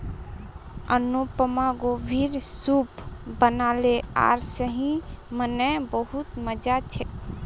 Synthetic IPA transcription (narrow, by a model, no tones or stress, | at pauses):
ənupəmaɡobʱiɾsupbənalea̰ɾsəɦĩmənəjbəɦut̪məd͡ʒat͡ʃʰɛ